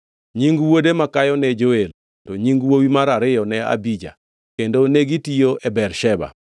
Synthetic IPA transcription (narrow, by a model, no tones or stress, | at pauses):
ɲiŋɡwodemakajɔnɛd͡ʒoel | tɔɲiŋɡwowimaɾaɾɪjɔnɛa̰bid͡ʒa̰ | kendoneɡitijoʔɛbɛrʃɛba̰